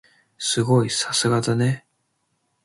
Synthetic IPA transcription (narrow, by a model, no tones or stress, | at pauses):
sɨɡo̞isasɨɡad̪ane̞